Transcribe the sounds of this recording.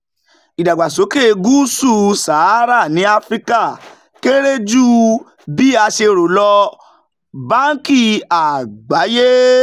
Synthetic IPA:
i˨da˨ɡ͡ba˨so˨˦ke˦˧ɡu˦su˦˨sa˨˦ɾa˦˨nĩ˨˦a˧fɾi˦ka˦˨ | ke˦ɾe˦d͡ʒu˦ | bi˦a˧ʃe˧ɾo˨lɔ˧ | ba˦ŋ˦ki˦˨a˨ɡ͡ba˨˦je˦

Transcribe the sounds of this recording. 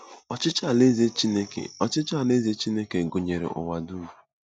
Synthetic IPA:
ɔ˨t͡ʃɪ˦t͡ʃa˦˨le˦ze˦t͡ʃi˦ne˦kḛ˨ɔ˨t͡ʃɪ˦t͡ʃa˦˨le˦ze˦t͡ʃi˦ne˦ke˨ɡʊ˨ɲe˨ɾḛ˨ʔʊ̰˨wa˨du˦mu˨

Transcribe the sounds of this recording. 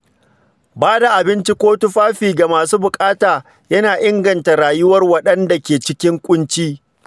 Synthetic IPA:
baː˦da˨ʔa˨bɪ˦nt͡ʃi˦kʷoː˦tu˦ɸaː˦ɸiː˨ɡa˨maː˨suː˦bʊ˨kʼaː˦taː˨ | jɐ˦naː˨ʔɪ˦ŋɡɐ˨nta˨ɽaː˨jʊ˦wɐ˦rwɐ˦ɗɐ˦nda˨kʲeː˨t͡ʃɪ˦kʲɪ˦ŋkʷʼʊ˦nt͡ʃiː˦

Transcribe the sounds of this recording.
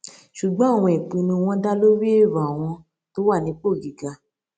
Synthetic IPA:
ʃu˨ɡ͡bɔ̃˦˨w̃ɔ̃˧˦e˨k͡pĩ˧nũ˧w̃ɔ̃˧da˦lo˦ɾi˦e˦˨ɾɔ˨a˨w̃ɔ̃˧ | to˦wa˦˨nĩ˨˦k͡po˦˨ɡi˨ɡa˧

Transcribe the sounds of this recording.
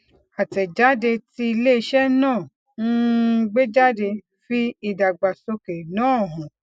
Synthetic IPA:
a˨tɛ˨d͡ʒa˨˦de˧ti˧˦i˧le˦i˧ʃɛ˦nãː˦˨ | n̩˦˧ɡ͡be˦d͡ʒa˦de˧ | fi˦i˧da˨ɡ͡ba˨so˧ke˨nãː˨˦˨ɦɔ̃˨

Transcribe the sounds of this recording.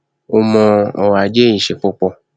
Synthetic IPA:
o˧mɔ̃˧ɔ˨wa˨d͡ʒe˦ĩ˨ʃe˨k͡po˦k͡pɔ˧

